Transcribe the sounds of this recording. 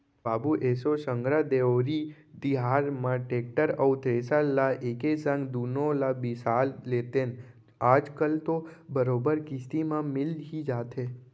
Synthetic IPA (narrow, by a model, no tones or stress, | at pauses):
baːbuʔeːsosəŋɡɾad̪eoɾi | d̪iɦaːɾmãʈeːk̚ʈəɾəwt̪ɾesalːaʔeːkesə̃ŋɡd̪unolabɪsaːlːet̪en | aːd͡ʒkəlt̪obəɾoːbəɾkɪst̪imãmɪlɦid͡ʒaːt̪ʰe